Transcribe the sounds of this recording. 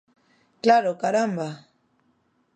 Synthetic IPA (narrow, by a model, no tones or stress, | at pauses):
klaɾokaɾamba